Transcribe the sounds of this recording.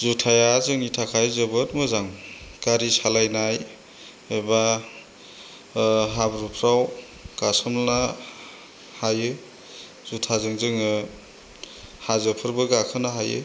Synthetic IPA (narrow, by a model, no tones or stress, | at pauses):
zutʰajazɯŋitʰakʰajzɯbɯt̚mɯzaŋɡ̥aɾisalajnaj | eba | ɦabɾupʰɾaw | ɡ̥asɯmlna | hajɯ | zutʰazɯŋzɯŋɯ | hazɯpʰɯɾbɯɡakʰɯnaɦajɯ̰